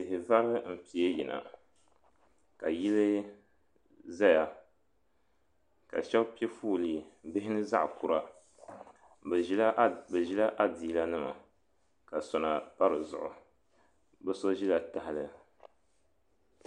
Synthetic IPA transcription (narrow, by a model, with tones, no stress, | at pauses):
ɪ˨ɦɪ˨va˦ɾɨ˦m̩˨pi˨e˦ji˨na̰˨ | ka˨ji˦lɨ˦ | za˦ja˨ | ka̰˨ʃɛ˦pi˦e˦fuː˦li˨bɪ˦hɪ˦nɨ˦za̰˦ʔku˨ɾa˦˨˦ | bɛ˨ʒi˦la˦ʔa˦diː˨˦la˦nɨ˦ma̰˨ | ka˨sɔ˨na˨pa˦ɾɨ˨zʊ̰˨ʔʊ˨ | bɛ˦so˦ʒi˦la˨ta˨hɪ˦lɨ˨